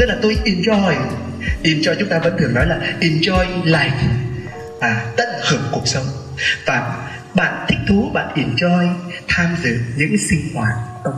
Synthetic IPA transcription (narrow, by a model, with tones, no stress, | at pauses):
ɨ˦˥k̚laː˨˩t̪o˧jʔi˧nt͡ɕɔ˧ɔ˨˩j | ʔi˧˩mt͡ɕɔ˧jt͡ɕʊ˨˦ŋ͡mt̪aː˧və̰˧˥t̪ɨ˨˩əŋnɔ˨˦jlaː˨˩ʔi˨˧˩nt͡ɕɔ˧jlaː˧˩jk | aː˨˩t̪ə̰˧˨nhɨː˧˩p̚ku˨˩ək̚sə˨˦wŋ͡m | vaː˨˩ | ɓa̰ː˧˨nt̪ʰï˦˥k̚t̪ʰu˨˦ɓa̰ː˧˨nʔi˧˩nt͡ɕɔ˧jt̪ʰaː˧mzɨ̰˧˨ɲɨ̰˧˥ŋsï˧ŋhwaː˧˩t̚